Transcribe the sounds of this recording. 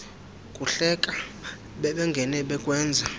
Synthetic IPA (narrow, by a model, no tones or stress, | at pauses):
kʼuɬɛkʼa | ɓɛɓɛŋɡʱɛnɛɓɛkʼwɛːnd͡zʱa